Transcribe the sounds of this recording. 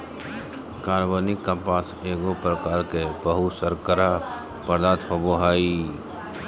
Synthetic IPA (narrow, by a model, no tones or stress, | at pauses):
kaːɾbənikə̃paːseːɡopɾəkaːɾkebəɦʊsəɾkəɾa | pəɾd̪aːt̪pəboɦaːi